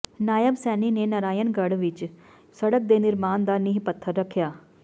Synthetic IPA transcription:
naːjəbsɛːnineːnəɾaːjənɡəɽʋɪt͡ʃ | səɽək̚d̪eːnɪɾmaːnd̪aːnɪɦpət̪ʰːəɾːəkʰːjaː

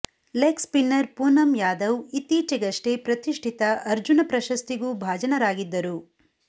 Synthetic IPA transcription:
lekspinːɐɾpuːnɐmjaːd̪ɐwit̪iːt͡ʃɐɡɐʂʈepɾɐt̪iʂʈʰit̪ɐʔɐɾd͡ʒunɐpɾɐʃɐst̪iɡuːbʱaːd͡ʒɐnɐɾaːɡid̪ːɐɾu

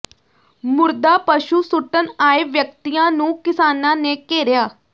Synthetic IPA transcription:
mʊɾd̪aːpəʃuːsʊʈənaːeːʋjək̚t̪iːjãːnũːkɪsaːnãːneːkeːɾjaː

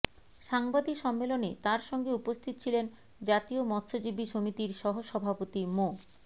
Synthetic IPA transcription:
ʃaŋbad̪ikʃɔmːelonet̪aɾʃɔŋɡeupost̪ʰit̪o̥t͡ɕʰilen | d͡ʑat̪iomɔt̪ːʃod͡ʑibiʃomit̪iɾʃɔɦoʃɔbʱapot̪imo

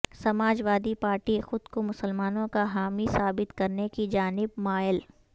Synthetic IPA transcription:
sɐmaːd͡ʒʋaːd̪ipaːɾʈixʊd̪komʊsəlmaːnõkaɦaːmisaːbɪt̪kɐɾnekid͡ʒaːnɪbmaːɪl

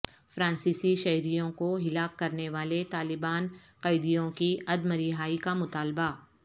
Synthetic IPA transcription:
fɾãːnsiːsiʃɐɦɾijõkoɦɪlaːkːɐɾneʋaːlet̪aːlɪbaːn | qɐɪd̪ijõkiɐd̪məɾiɦaːikamʊt̪aːlba

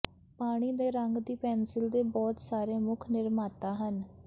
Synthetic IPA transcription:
paːɽ̃iːd̪eːɾəŋɡd̪iːpɛːnsɪld̪eːbɔːt̪saːɾeːmʊkʰnɪɾmaːt̪aːɦən

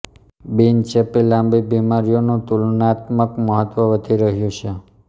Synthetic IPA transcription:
bint͡ʃepilãmbibimaɾijonũt̪ulnat̪məkməɦət̪ʋəʋəd̪ʱiɾəɦjũt͡ʃʰe

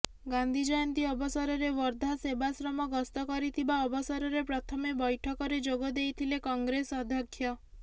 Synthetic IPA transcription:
ɡand̪ʱid͡ʒɔjɔnt̪iɔbɔsɔɾɔɾeʋɔɾd̪ʱasebasɾɔmɔɡɔst̪ɔkɔɾit̪ʰibaɔbɔsɔɾɔɾepɾɔt̪ʰɔmebɔjʈʰɔkɔɾed͡ʒoɡɔd̪ejt̪ʰilekɔŋɡɾesɔd̪ʱjɔkʰːjɔ

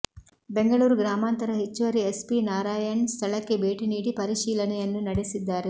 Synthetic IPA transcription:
be̞ŋɡɐɭuːɾuɡɾaːmaːnt̪ɐɾɐɦet͡ʃːuʋɐɾiespinaːɾaːjɐɳst̪ʰɐɭɐkːe̞be̞ːʈiniːɽipɐɾiʃiːlɐnɛjɐnːunɐɽesid̪ːaːɾe

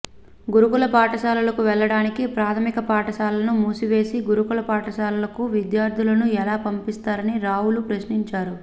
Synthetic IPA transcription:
ɡuɾukulɐpaːʈɐʃaːlɐlɐkuʋɛɭːɐɽaːnikipɾaːt̪ʰɐmikɐpaːʈɐʃaːlɐnumuːsiʋe̞ːsiɡuɾukulɐpaːʈɐʃaːlulɐkuʋid̪jaːɾd̪ʱulɐnuɛlaːpɐmpist̪aːɾɐniɾaːwulupɾɐʃniɲt͡ʃaːɾu

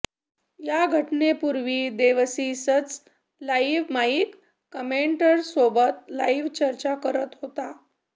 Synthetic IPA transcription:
jaɡʱəʈnepuɾʋiːd̪eʋsisət͡s | laiʋmaikː | əmeɳʈəɾsobət̪laiʋt͡ɕəɾt͡ɕakəɾət̪ɦot̪a

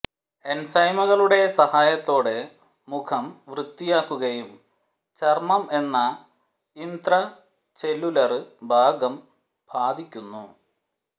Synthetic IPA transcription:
ensɐjmɐɣɐɭuɽe̞sɐhaːjɐt̪ːo̞ːɽe | mukʰɐmʋrɨt̪ːijaːkːuɣɐjum | t͡ɕɐrmɐme̞nːɐ | ind̪rɐ | t͡ɕe̞lːulɐrɨbʱaːɡɐm | b̥ʱaːd̪ikʲːunːu

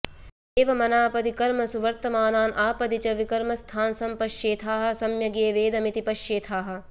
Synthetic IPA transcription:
eːʋɐmɐnaːpɐd̪ikɐɾmɐsuʋɐɾt̪ɐmaːnaːnʔaːpɐd̪it͡ʃɐʋikɐɾmɐst̪ʰaːnsɐmpɐʃjeːt̪ʰaːɦɐ̆sɐmjɐɡeːʋeːd̪ɐmit̪ipɐʃjeːt̪ʰaːɦɐ̆

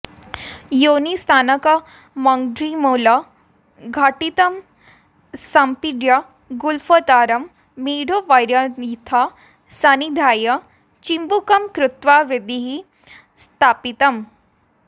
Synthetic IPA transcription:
jonist̪ʰaːnɐkɐ | mɐŋɖɾimola | ɡʱaʈit̪ɐm | sampiɖja | ɡulfot̪aːɾɐmː | iɽoʋajɾjait̪ʰa | sanid̪ʱaːjɐ | t͡ɕimbukɐmkɾut̪ʋaɾid̪iɦi | st̪ʰaːpit̪ɐm

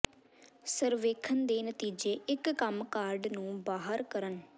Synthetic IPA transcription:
səɾʋeːkʰənd̪eːnət̪iːd͡ʒeːɪkːəmkaːɾɖnũːbaːɦəɾkəɾən

